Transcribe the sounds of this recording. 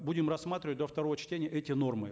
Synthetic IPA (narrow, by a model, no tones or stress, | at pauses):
budʲɪmrɐsmat̪ɾʲɪvət̚ʲd̪oft̪ɐɾo̞vət͡ɕtʲenʲɪjəʔɛtʲɪno̞rmɨ